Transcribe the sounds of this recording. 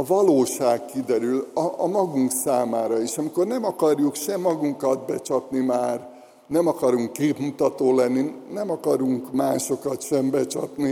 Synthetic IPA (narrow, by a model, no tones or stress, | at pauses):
ɒvɒloːʃaːkkid̪ɛɾylɒɒmɒɡuŋksaːmaːɾɒiʃɒmiko̞rnɛmɒkɒrjukʃɛmːɒɡuŋkɒd̪̚bɛt͡ʃɒt̪nimaːr | nɛmɒkɒɾuŋkːeːpmut̪ɒt̪oːlɛnːinɛmɒkɒɾuŋkmaːʃo̞kɒt̪ʃɛmbɛt͡ʃɒ̰t̪ni